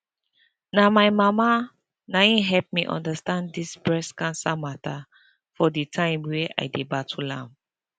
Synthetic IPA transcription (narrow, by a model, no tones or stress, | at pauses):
namaɪmama | naĩɦɛlp̚miʔɔ̰̃ndastãnddisbɹɛskãnsamatʰa | fɔditʰãɪ̃mweʔa̰jdebatʰulã̰m